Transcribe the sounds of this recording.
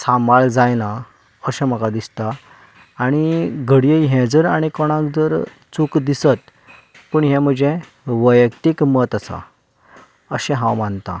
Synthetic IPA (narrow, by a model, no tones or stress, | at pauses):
samaɭd͡zajna | əɕɛ̃m̤əkad̪ist̪aː | ɽ̃iɡʱəɽijəɦɛ̃d͡zəɾaɽ̃ikɔɽ̃ãkd͡zəɾ | t͡sukd̪isət̪ | pəɳɦɛ̃m̤əd͡ʑɛ̃ | ʋəjəkʈ̪ikmət̪asa̰ | əɕɛ̃ɦãwmant̪a̰